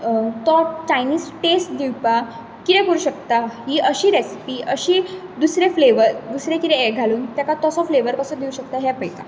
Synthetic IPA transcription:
t̪ɔt͡ɕajniːsʈesʈ̚d̪iwpa | kit̪ɛ̃kəɾuːɕəkt̪aɦiːʔəɕiːɾesi̥piːʔəɕiːd̪usɾefleʋəɾd̪usɾekit̪ɛeɡʱaluːnt̪jakat̪ɔsɔfleʋəɾkəsɔd̪iuɕək̚t̪aɦjapəjk̪a

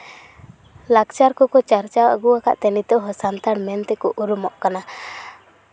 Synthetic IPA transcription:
lak̚t͡ʃaɾkɔkɔt͡ʃaɾt͡ʃawa̰ɡuaka̰ʔt̪ɛnit̪ɔɦɔsant̪anmɛnt̪ɛkɔʔuɾumɔʔkana

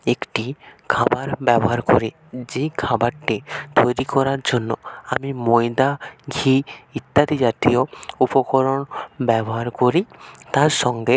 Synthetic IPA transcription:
ekʈikʰabaɾbɛbɔɦaɾkoɾi | d͡ʑekʰabaɾʈit̪ojɾikɔɾaɾd͡ʑonːɔamimojd̪aɡʱiit̪ːat̪id͡ʒat̪ijoupɔkɔɾonbɛbɔɦaɾkoɾit̪aɾʃɔŋɡe

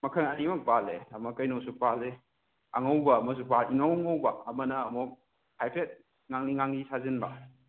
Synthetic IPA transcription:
mɐkʰɐŋɐdimɐk̚balḛɐmɐkɐjnosuk̚pale | ɐ̰ŋɐwbɐːmɐs̬upaliŋawŋawbɐɐmɐnɐːmuk̚ | hajpɾet̚ | ŋaŋniŋaŋnisazinbɐ

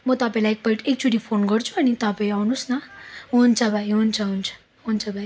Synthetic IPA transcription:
mʌt̪apaĩlajk̚pʌiʈek̚t͡suʈipʰonɡʌɾt͡sʰuanit̪apaĩawnusnaont͡sʰabʱajɦunt͡sʰaɦunt͡sʰḁ | ɦont͡sʰabʱaji

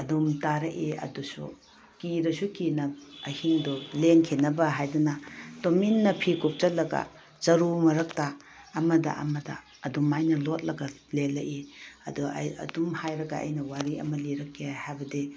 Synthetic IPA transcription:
ɐdumtaɾɐʔiɐ̰dusṵ | kiɾɐsukinɐɐhiŋduleŋkʰinɐbɐɦajdunɐtominːɐpʰikup̚t͡ʃɐt̚lɐɡɐ̰ | t͡ʃɐɾumɐɾɐk̚taː | mɐdɐ̰ʔɐ̰mɐdɐ̰ː | dumajnɐlot̚lɐɡɐ | lelɐʔiɐ̰duɐ̰ɐ̰dumhajɾɐɡɐ̰ɐ̰jnɐwaɾiɐ̰mɐliɾɐkːehajbɐdi

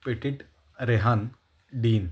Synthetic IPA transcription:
peʈiʈ | ɾeɦan | ɖiːn

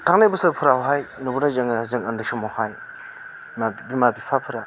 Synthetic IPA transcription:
tʰaŋnabɯsɯɾpʰɯɾawɦajnubuɾnazaŋazɯŋɐndɯsumɔhaj | mabimabipʰapʰɯɾa

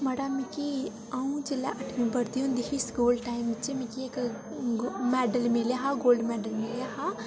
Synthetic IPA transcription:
mɐɽamiki | aũd͡ʒɪlːa̰ʔɐʈʰʋĩbɐɾt̪iõnd̪ɪkʰiskuːlʈaːimt͡ʃimikiek | mɛːɖəlmeljaɦaɡoːlɖmɛːɖəlmeljaɦa

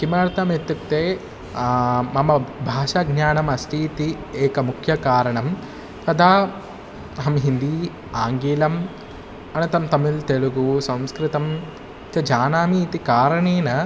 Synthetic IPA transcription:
kimaːɾt̪ɐmet̪ːuk̚t̪eː | mɐmɐbʱaːʃaɡɲaːnɐmɐsʈiːt̪i | eːkɐmukʰjɐkaːɾɐɳɐm | p̪ɐd̪aː | ɐɦɐmɦind̪iː | aːŋɡiːlɐm | ɐnɐt̪ɐmt̪ɐmilt̪eɭuɡusɐ̃mskɾit̪ɐm | t͡ʃɐd͡ʒaːnaːmit̪ikaːɾɐɳeːnɐ

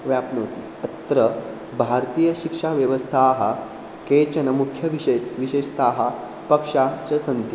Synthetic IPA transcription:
ʋjaːpnoːt̪i | ɐt̪ɾɐ | bʱaːɾt̪iːjɐʃikʂaːʋjɐʋɐst̪ʰaːɦɐ̆ | keːt͡ɕɐnɐmukʰjɐʋiʃeːʃt̪ʰaːɦɐ | pɐkʂaːt͡ʃɐsɐnt̪i

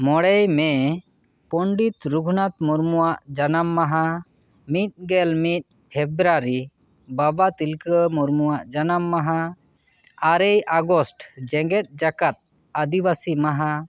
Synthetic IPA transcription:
mɔɽɛjmɛ | pɔɳɖit̪ɾuɡʱnat̪muɾmuwaʔd͡ʒanamːaɦã | mit̪̚ˀɡɛlmit̪̚ | pʰɛbɾaɾi | babat̪ilkəmuɾmuwaʔd͡ʒanamːaɦã | aɾɛjaɡɔsʈd͡ʒɛ̃ŋɡɛt̪̚ˀd͡ʒakat̪̚ | ad̪ibasimaɦã

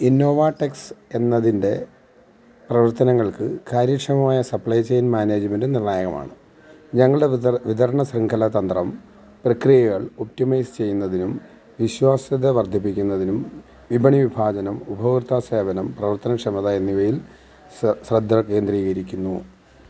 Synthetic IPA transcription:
inːo̞ːʋaːʈːekse̞nːɐðinde̞ | prɐʋɐrt̪ɐnɐŋːɐɭkɨkaːɾjɐkʂɐmɐmaːjɐsɐpɭɐjt͡ɕːejnmaːneːd͡ʑumendɨnirnaːjɐɣɐma̰ːɳɨ | ɲɐŋːɐɭɨɽe̞ʋid̪ʱɐɾɐɳɐsriŋkʰɐlɐt̪ɐnd̪rɐm | prɐkrijɐɣɐɭop̚timɐjst͡ɕe̞jːunːɐðinum | ʋiɕwaːsɐðeʋɐrd̪ʱipːikʲːunːɐðinum | ʋibʱɐɳiʋibʱaːd͡ʑɐnɐmubʱɐʋrt̪ʰaːse̞ːbɐnɐmprɐʋɐrt̪ɐnɐkʂɐmɐðaːjɐniʋɐjil | srɐd̪ʱːɐke̞ːnd̪riːɣɐɾikʲːunːu

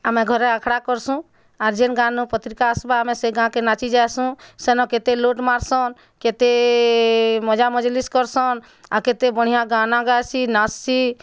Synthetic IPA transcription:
amɛ̃ɡʱɔɾɛəkʰɽakɔɾsũ | aɾd͡ʒenɡãnũpət̪ɾikaəsbaəmẽseɡãkenat͡ʃid͡ʒaesũsenɔ̃ket̪eloʈmaɾsɔn | ket̪e | mɔd͡ʒaməd͡ʒliskɔɾsɔn | aket̪ebəɽ̤ijãɡãnãɡajsinasːi

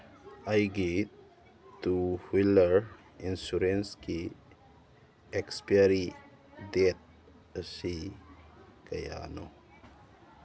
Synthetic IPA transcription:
ajɡe | tuhiləɾ | insuɾenski | ekspiaɾi | det̪̚ | əsi | kəja̰no̰

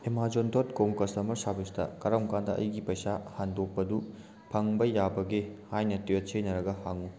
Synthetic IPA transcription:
emad͡ʒontʰotkomkɐstɐmɐɾsabistɐ̰kɐɾɐmkandɐʔɐ̰jɡipɐjsahandok̚pɐdu | pʰɐŋbɐjabɐɡehajnɐtijot̚sʰejnɐɾɐɡɐhaŋu

